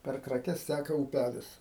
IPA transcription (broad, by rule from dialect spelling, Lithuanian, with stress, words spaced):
pʲɛr krɐˈkʲɛs ˈtʲækɐ uːˈpʲælʲɪs